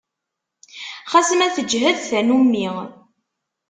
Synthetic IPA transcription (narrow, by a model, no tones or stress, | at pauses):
χɑsəmæθəd͡ʒɦæðθænumːi